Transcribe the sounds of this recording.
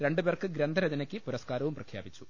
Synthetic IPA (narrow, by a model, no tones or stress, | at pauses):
ɾe̞ɳɖuperkɨɡɾend̪ʱɐɾɐd͡ʑɐnɐkʲːɨpuɾɐskaːɾɐʋumprɐkʰjaːbit͡ɕːu̥